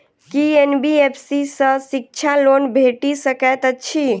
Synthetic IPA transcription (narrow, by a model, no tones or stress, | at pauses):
kienbiepʰsisə̃sik̚t͡ʃʰalonbʱeʈisəkɛt̪əːt͡ʃʰi